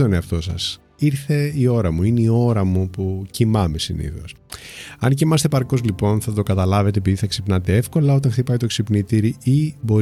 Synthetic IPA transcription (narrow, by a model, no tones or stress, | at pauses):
t̪oneɐft̪o̞sɐ̰s | iɾθe̞io̞ɾɐmuineio̞ɾɐmupucimɐme̞sḭnḭθo̞̰s | ɐnciimɐst̪epɐɾko̞zlipo̞nθɐt̪o̞kɐt̪ɐlɐve̞t̪e̞ːpiðiθɐksipnɐt̪e̞e̞fko̞lɐo̞t̪̬ɐ̃ŋxt̪ipɐit̪o̞ksipnit̪iɾiibo̞